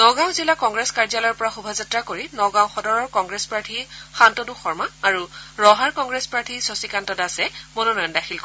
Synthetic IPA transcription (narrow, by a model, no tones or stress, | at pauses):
nɔɡãw̃zilakɔŋɡɹeskaɹd͡ʒalɔjɔɹpɔɹaxubʱazatɹakoɹinɔɡãw̃xɔdɔɹɔɹkɔŋɡɹespaɹtʰixantonuxɔɹmaːɹuɹɔɦaɹkɔŋɡɹespɹaɹtʰisosikantɔdasɛmononɔjndaxʰilk